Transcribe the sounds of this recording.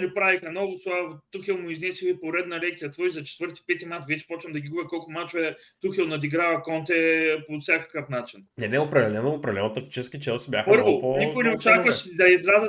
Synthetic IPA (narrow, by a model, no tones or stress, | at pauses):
lipɾavixɐmnɔɡʊst̪vat̪uxilˠmʊiznɛsixipoɾɛd̪nɐlɛk̚t̪sijɐt̪vɔjzɐt͡ʃɛ̥t̪vɤɾt̪i̥pɛt̪imat̪vɛt͡ʃɛ̥pɔt͡ʃnɐmd̪ɐɡʲiɡubʲɛkɔlˠkʊmat͡ʃʊɛ | t̪uxilˠnɐd̪iɡɾavɐkɔnt̪ɛpofsʲakɐ̥kəfnat͡ʃinnɛnɛopɾɐd̪ɛlɛnoopɾɐd̪ɛlɛnot̪ɐk̚t̪i̥t͡ʃɛskʲit͡ʃɛlˠsibʲja̰xpɤɾvoponikʊinɛot͡ʃakvəʃd̪ɐizɾazə